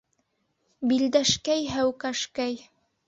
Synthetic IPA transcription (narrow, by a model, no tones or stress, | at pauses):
bild̪æʃkæjɦæwkæʃkæj